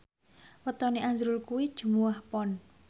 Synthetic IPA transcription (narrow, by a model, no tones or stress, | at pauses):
wət̪ɔniʔazɾulkuwi̥ʒ̥umuahpɔn